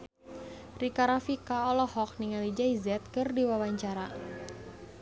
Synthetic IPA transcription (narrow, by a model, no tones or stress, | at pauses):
rikaɾafikaɔlɔhɔk̚niŋalid͡ʒaizɛt̪̚kɨrdiwawaɲt͡ʃaɾa